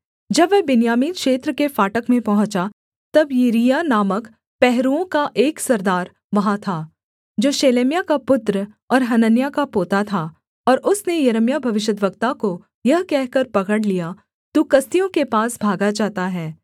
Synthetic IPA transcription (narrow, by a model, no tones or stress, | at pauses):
d͡ʒɐbʋɛbɪnjaːmiːnkʃeːt̪ɾəkefaːʈəkmẽpɐɦʊ̃t͡ʃa | t̪ɐbjiɾijanaːmək | pɛɦɾuõkaʔeːksɐɾd̪aːɾ | ʋɐɦat̪ʰaː | d͡ʒoːʃeːleːmjakapʊt̪ɾə | ɔːɾɦɐnənjakapoːt̪at̪ʰa | ɔːɾʔʊsnejɐɾəmjabʱɐʋɪʃ̬əd̪ʋəɡt̪ako | jɐɦkɛɦkɐɾpɐɡəɽlija | t̪ukɐst̪ijõkepaːsbʱaːɡad͡ʒaːt̪aɦɛː